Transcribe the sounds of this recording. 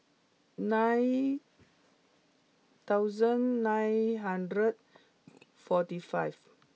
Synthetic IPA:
nãj | t̪awzə̃nːãjnɦãndɾəd̚ | fɔtifajv

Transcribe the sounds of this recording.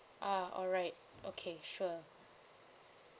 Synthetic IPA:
ʔaɔ̰lɹaɪt̚ | ʔokʰeʃu

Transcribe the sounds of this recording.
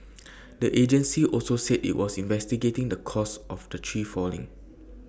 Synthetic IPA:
dəʔed͡ʒə̃nsiʔɔlsosɛdḭʔwɔsĩnvɛstiɡetɪ̃ŋdəkʰɔsʔɔfdətʰɹifɔlḭ̃ŋ

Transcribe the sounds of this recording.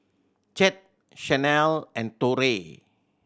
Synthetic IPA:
t͡ʃɛt̚ | ʃɛnɛlɛ̃ntoɾe

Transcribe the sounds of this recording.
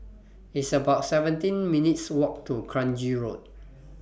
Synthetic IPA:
itsəbaʊtsɛvə̃ntĩnminitswɔk̚tʰukʰɹãnd͡ʒiɹot̚

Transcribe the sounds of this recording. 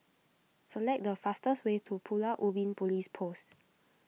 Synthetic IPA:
səlɛk̚dəfastəswetʰupʰulaʔubĩnpɔlispʰost

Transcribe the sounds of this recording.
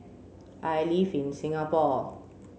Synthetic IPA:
ʔajlifinsĩŋapɔ

